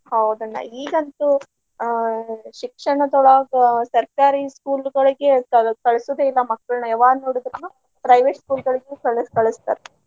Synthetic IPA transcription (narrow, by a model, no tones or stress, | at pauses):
hɐwd̪ɐnːɐ̰iːɡɐnt̪u | ʃikʂɐɳɐt̪ɔɭaːɡɐsɐɾkaːɾiskuːlɡɐɭiɡe̞kɐkɐɭɐsud̪eilːɐmɐkːɐɭnɐɛʋaːɾnoːɽid̪ɾɐnːu | pɾɐjʋeːʈskuːlɡɐɭiɡekɐɭkɐɭɐst̪aɾe